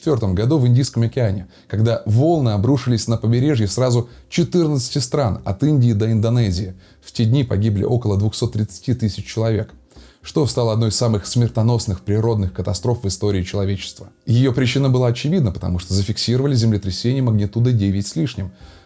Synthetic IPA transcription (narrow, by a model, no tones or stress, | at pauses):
ɪt̪vʲo̞rt̪əmɡɐd̪uvɨnʲdʲijskəmɐkʲɪanʲɪ | kɐɡd̪avo̞lˠnɨɐbɾuʂɨlʲɪsʲnəpəbʲɪɾʲe̞ʐjɪsrazʊt͡ɕɪt̪ɨrnət̪sɨ̥tʲɪst̪ɾanɐ̰t̪ɨnʲdʲɪːd̪əɪnd̪ɐnɛzʲɪɪ | ftʲedʲnʲipɐɡʲiblʲɪ̰ʔo̞kəlˠəd̪vʊxso̞t̪ːɾʲɪt̪sɨ̥tʲit̪ɨsʲɪt͡ɕt͡ɕːɪlˠɐvʲe̞k | ʂt̪o̞st̪alˠəɐd̪noɪsːamɨxsmʲɪrt̪ɐno̞snɨxpɾʲɪɾo̞d̪nɨxkət̪ɐst̪ɾo̞fvɨst̪o̞ɾʲɪːt͡ɕɪlˠɐvʲet͡ɕɪ̥st̪vəjɪjo̞pɾʲɪt͡ɕinəbɨlˠaɐt͡ɕɪvʲid̪nəpə̥t̪ɐ̰muʂt̪ozəfʲɪksʲiɾəvəlʲɪzʲɪmlʲɪt̪ɾʲɪsʲenʲɪjəməɡnʲɪt̪ud̪ədʲevʲɪtʲsʲlʲiʂnʲɪm